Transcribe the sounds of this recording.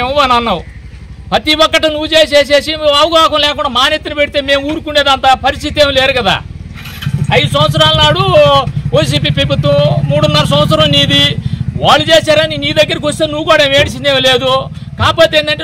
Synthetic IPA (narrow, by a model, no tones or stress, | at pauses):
emuʋanɐnːɐu | pɾɐt̪iwɔkːɐʈinuʋːut͡ʃe̞ːs̬eːs̬e̞ːsiɐʋɐɡaːkɐmlɛːkuɳɖaːmaːnet̪ːinɐpeʈit̪eːme̞ːmuːɾukunːɖeːd̪ɐnt̪aːpɐɾist̪it̪eːmleːɾukɐd̪a̰ː | ɐjd̪usɐmɐt̪sɐɾaːlnaːɽuʋɐjs̬iːp̬iːpɾɐbʱut̪ːɐmmuːɽunːaːɾɐs̬ɐ̃mɐt̪sɐɾɐmniːd̪iʋaːɭːud͡ʒeːsaːɾɐnːiniːid̪ɐɡːɐɾik̬iʋost̪eːnuʋːukoːɽɐeʋeːɽisind̪eːmleːd̪u | kaːpoːt̪eːnd̪ɐɳʈe